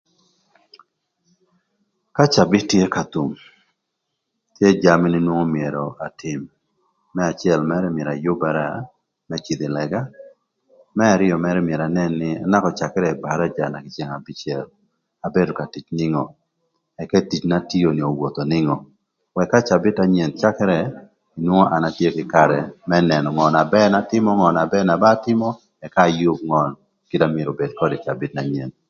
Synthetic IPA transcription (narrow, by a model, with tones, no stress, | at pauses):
ka˦t͡ʃa˨bɪ˦tje˦ka˨t̪u˨m | tje˦d͡ʒa˦mɪ˦nɪ˦nwo˦ŋo˦mje˨ɾɔ˨a˨tʰɪ˨mː | ɛ˦a˨t͡ʃɪ˦ɛ˦˨lmɛ˦ɾɛ˦mjɛ˨ɾa˨jʊ˦ba˦ɾa˦ | mɛ˦t͡ʃi˨d̪ɪ˨lɛ˨ɡa˦ | mɛ˦a˨ɾɪ˦ɔ˨mɛ˦ɾɛ˦mɪe˨ɾa˨nɛ˦nːɪa˦na˦kɔ˨t͡ʃa˨kɛ˦ɾɛ˨ba˨ɾa˦d͡ʒa˨na˨kɪ˨t͡ʃe˨ŋa˨bɪ˦t͡ʃjɛ˨l | a˨be˦do˨ka˨ti˨t͡ʃnɪ˦ŋɔ˨ | ɛ˨kɛ˦ti˨t͡ʃna˦ti˦o˨nɪ˨o˨wo˨t̪o˨nɪ˦ŋɔ˨ | wɛ˨kːa˦t͡ʃa˨bɪ˦ta˦ɲɛ˨nt͡ʃa˦kɛ˦ɾɛ˨ | ɪ˨nwo˦ŋɔ˦ʔa˨natje˦kɪ˨kaɾɛ˨mɛ˦nɛ˨nɔ˨ŋɔ˨na˨bɛ˦na˦tɪ˦mɔ˦ŋɔ˨na˨bɛ˦na˨ba˦tɪ˦mɔ˦ | ɛ˨ka˦˨ju˦k̚ŋɔ˦n | kɪ˦damɪ˨ɾo˨be˨d̚kɔ˦dɪ˨t͡ʃa˨bɪ˦tna˨ɲɛ̰˨n